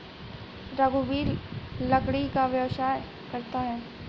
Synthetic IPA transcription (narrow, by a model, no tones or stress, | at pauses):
ɾaɡuʋiːɾlɐkɽikaʋjɐʋʃaːj | kɐɾt̪aɦɛː